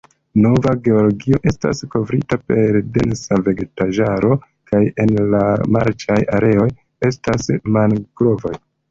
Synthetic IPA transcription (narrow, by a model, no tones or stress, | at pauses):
no̞vaɡe̞o̞lo̞ɡio̞ʔe̞sta̰sko̞vɾitape̞ɾde̞̰nsave̞ɡetaʒaɾo̞ | kaje̞nlama̰ɾt͡ʃajaɾe̞o̞j | e̞stasmanɡ̥ɾo̞voj